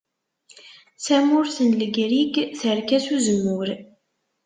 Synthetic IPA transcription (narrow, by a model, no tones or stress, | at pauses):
sæmʊɾθənləɡɾiɡθəɾkæsuzəmːʊɾ